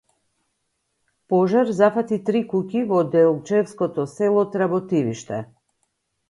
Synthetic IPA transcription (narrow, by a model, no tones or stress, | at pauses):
pɔʒaɾzafat̪it̪ɾikukʲivɔd̪ɛɔlˠt͡ʃɛfskɔt̪ɔsɛlˠɔt̪ɾabɔt̪iviʃt̪ɛ